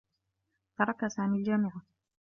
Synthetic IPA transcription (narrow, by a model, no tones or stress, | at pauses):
t̪ɑɾˤɑkasaːmiːld͡ʒamɪʕa